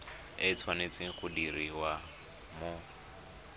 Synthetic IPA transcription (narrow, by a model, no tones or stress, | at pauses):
et͡sʰwanet͡sɪɣʊdiɾiwa | mʊ